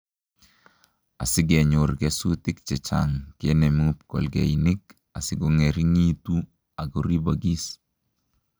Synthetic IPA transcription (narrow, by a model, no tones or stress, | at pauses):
a̰sɪɡɛɲoɾɡɛsutɪk̚t͡ʃɛt͡ʃa̰ŋkenɛmup̚kɔ̰lɡɛ̰jnɪk̚ | asɪɡoŋɛɾiŋitu | aɡoɾibaɡis